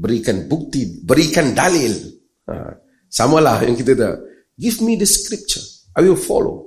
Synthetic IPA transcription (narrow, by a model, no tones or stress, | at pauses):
bɾikãnbuk̚tibɾikãndalil | a̰ | samalajɛ̰̃ŋkit̪əda̰ | ɡivmidəskɾip̚t͡ʃə | ʔajwilfɔ̰lo̰